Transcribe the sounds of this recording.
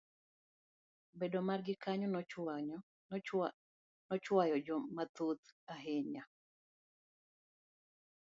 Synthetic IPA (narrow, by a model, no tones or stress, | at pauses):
bedomarɡɪkaɲɔn | nɔt͡ʃwajɔd͡ʒɔmat̪ut̪aɦɪɲa